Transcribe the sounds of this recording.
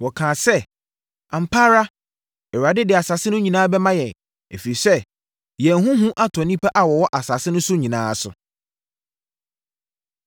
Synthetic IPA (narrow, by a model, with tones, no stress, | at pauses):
wɔ˨kʰãː˨sɛ˦ | ã˨m̩˨pʰaː˦ɾa˦ | ɛ˨wa˨dɪ˦dɪ˨a˨sa˨sɪ˦nʊ̃˦ɲĩ˨nãː˦bɛ˦mã˦jɛ̃˨n | ḛ˨fi˨ɾi˨sɛ˦ | jɛ̃˨nɦũ˦ɦũ˦ʔa˦tʰɔ˨nĩ˦pʰa˦ʔa˨wɔ˨wɔ˦ʔa˨sa˨sɪ˦nʊ̃˦sʊ˦ɲĩ˨nã̰ː˦sʊ̰˨